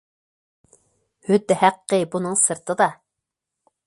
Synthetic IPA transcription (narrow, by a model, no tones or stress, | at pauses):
hyd̪ːhæqːəbunɨŋsɨɾt̪ʰɨd̪ɑ